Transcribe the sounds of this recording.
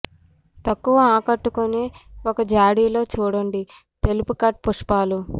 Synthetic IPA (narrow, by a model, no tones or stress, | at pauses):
t̪ɐkːuʋɐaːkɐʈːukuneːokɐd͡ʒaːɽiːlo̞ːt͡ʃuːɽɐɳɖi | t̪e̞lupukɐʈ̚puʂpaːlu